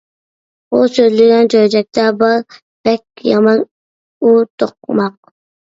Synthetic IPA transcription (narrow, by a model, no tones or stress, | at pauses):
usøzlɪɡʲɛnt͡ʃʰøjd͡ʒɛk̚ʲt̪ʰɛbɑɾ | b̥ɛk̚ʲjɑmɑn | ut̪ʰoq̚mɑq̚